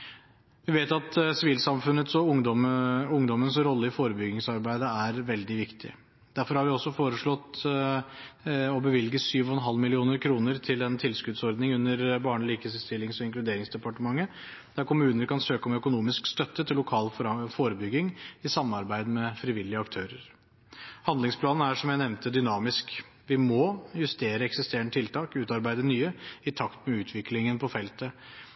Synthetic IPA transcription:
ʋɪʋeːt̪ɑt̪sɪʋiːlsɑmfʉnːət̪sɔʊŋɔʊŋd̪ɔmənsɾɔlːəɪfoːɾəbʏɡɪŋsɑɾbæɪd̪əæɾʋɛld̪ɪʋɪkt̪ʰɪ̰ | d̪æɾfɔɾhɑɾʋɪɔsːɔfoːɾəʂɭɔt̪ː | ɔbəʋɪlɡəsyːʋɔɛnɦɑlːmɪlɪuːnəɾkʰɾuːnəɾt̪ʰɪlɛnt̪ʰɪlskʉd̪sɔɾd̪nɪŋʉnːəɾbɑːɳliːkəsst̪ɪlːɪŋsɔɪŋklʉd̪eːɾɪŋsd̪ɛpɑʈəmɑŋːə | d̪̥æɾkʊmʉːnəɾkʰɑnsøːkɔmœkʊnuːmɪskst̪œt̪ːət̪ʰɪlːʊkʰɑːlfoːɾəbʏɡɪŋɪsɑmːɑɾbæɪd̪əmɛfɾɪʋɪlːɪəɑkt̪ʰøːɾəɾ | hɑnd̪lɪŋspʰlɑːnn̩æʂɔmjæɪnɛʋnt̪əd̪ʏnɑːmɪsk | ʋɪmɔjʉst̪eːɾəɛksɪst̪eːɳt̪ʰɪlt̪ʰɑːkʉːt̪ɑɾbæɪd̪ənyːəɪt̪ʰɑkt̪mɛʉːt̪ʰʋɪklɪŋənpʰɔfɛlt̪ə

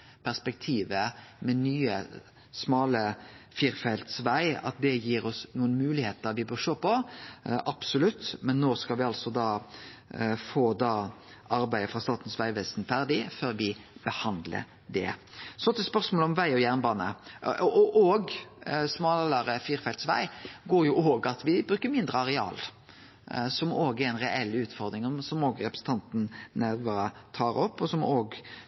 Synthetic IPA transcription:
pʰæʁspɛk̚t̪ʰiːʋəmɛnyːə | smɑːləfiɾfɛlt̪sʋæɪɑ̰t̪̚d̪ɛjiːɾɔsnuːənmʉːlɪheːt̪əɾʋɪbœːʁʂoːpɔʔɑb̥sʊlʉt̪ːmɛnːoːskɑlʋɪɑlsɔd̪ɑː | foːd̪ɑː | ʔɑɾbæɪəfɾɑst̪ɑːt̪ən̩sʋæɪʋeːsnfæʁd̪ɪføːɾʋɪb̥əhɑnd̪lə̰ | d̪ɛ̰sɔt̪ʰɪspœʁsmoːlɔmʋæɪɔjæʁnbɑːnə̰ | ʔoɡsmɑːlɑɾəfiːɾfɛlt̪sʋæ̰ɪɡoːɾjʊʔoːɡɑt̪ʰʋɪbɾʉːkəmɪnd̪ɾəɑɾɛɑ̰ːl | sɔmoːɡɛɾɛnʁɛʔɛlːʉːt̪fɔɾd̪ɾɪŋɔsɔmoːɡɾɛpɾsn̩t̪ʰɑnt̪n̩næɾʋɑɾət̪ʰɑːɾɔpːɔsɔmoːɡ

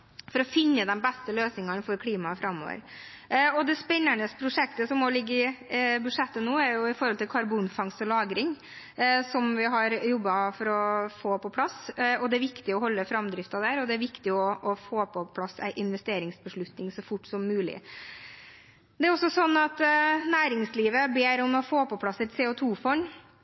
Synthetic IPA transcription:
fɔɾɔfɪnːəd̪ɛnbæst̪əløːsnɪŋɑnfɔɾkʰɽiːmɑfɾɑmːo̰ːʋə̰ɾ | ɔd̪ɛspɛnːæɳəspʰɾʊʂɛkt̪əsɔmːɔlɪɡːəɪbʉd̪ʂɛt̪ːənoːæɾjʊɪfɔɾhɔlt̪ʰɪlkʰɑɾbuːnfɑŋsɔlɑːɡɾɪŋ | sɔmʋɪɦɑɾjɔbːɑfɔɾɔfoːpɔpʰlɑsɔd̪ɛæɾʋɪkt̪ɪɔɦɔlːəfɾɑmd̪ɾɪft̪ɑd̪æɾɔd̪ɛæɾʋɪkt̪ɪɔɔfoːpʰɔpʰlɑsæ̰ɪʔɪnʋɛst̪eːɾɪŋsbəʂɭʉt̪nɪŋsɔfʊʈːsɔmːʉːlɪ̰ | d̪ɛæɾɔsːɔsɔnːɑt̪næːɾɪŋsliːʋəbeːɾɔmɔfoːpɔpʰlɑsːæɪt̪seːʊt̪ʰuːfɔn

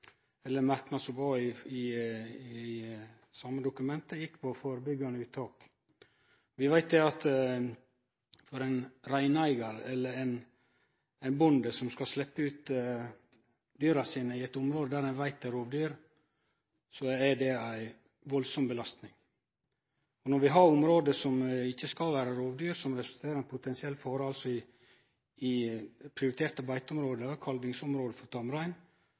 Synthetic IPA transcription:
ɛlːəmɑɾknɑsɔbɔɪɪ | sɑːmːəd̪ʊkʉmɛnt̪əjɪkːpʰɔfoːɾəbʏɡɑnəʉːt̪ʰːɑːk | ʋɪʋæɪt̪̚d̪ɛɑt̪ | fɔɾɛnɾæɪnæɪɡɑɾɛlːəɾɛn | æɪnbʊnd̪əsɔmskɑslɛpːəʉːt̪ | d̪yːɾɑsiːnəɪɛt̪ʊmɾoːd̪əd̪æːɾɛnʋæɪt̪æɾoːʋd̪yːɾ | sɔɛdɛæɪ | ʋɔlsɔmbəlɑst̪nɪŋ | ɔnɔɾʋɪɦɑɾʊmɾoːd̪əsɔmɪçːəskɑlʋæːɾəɾoːʋd̪yːɾsɔmɾɛsʉ̥lt̪ʰeːɾəɾæɛnpʰʊt̪ʰɛnsɪɛlːfɔɾəɑlsɔɪ | ɪpʰɾɪʊɾɪt̪ʰeːɾt̪əbæɪt̪ʊmɾoːd̪əkʰɑlʋɪŋsʊmɾoːd̪əfɔɾt̪ʰɑmɾæɪn

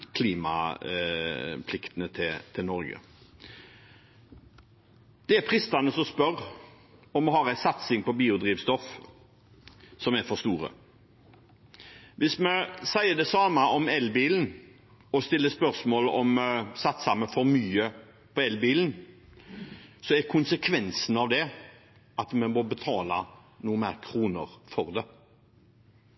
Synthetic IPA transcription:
kʰliːmɑ̰ | pʰlɪkt̪ənət̪ʰɪt̪ʰɪlnɔɾɡə̰ | d̪̥ɛæpʰɾɪst̪ɑnəsɔspœɾ | ɔmːɛɦɑɾæɪsɑt̪sɪŋpɔbiːʊd̪ɾiːʋst̪ɔf | sɔmæɾfɔst̪uːɾə̰ | ʋɪsmɛsæɪəd̪ɛsɑːməʔɔmɛlbiːln̩ | ɔst̪ɪlːəspœʁsmoːlɔ̰msɑt̪sɑməfɔɾmyːə | pʰɔɛlbiːln̩ | sɔɛkʰʊnsəkʰʋɛnsnɑʋd̪ɛ | ɑt̪mɛmobət̪ʰɑːlɑ̰ | nuːəmæ̰ːɾkʰɾuːnə̰ʁfɔʁd̪ɛ

